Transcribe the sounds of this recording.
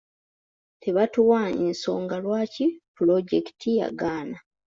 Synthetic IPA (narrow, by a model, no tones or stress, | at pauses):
te̞βatuwaenso̞ːŋɡalwaːcipulo̞ɟe̞ki̥tʰija̰ɡaːna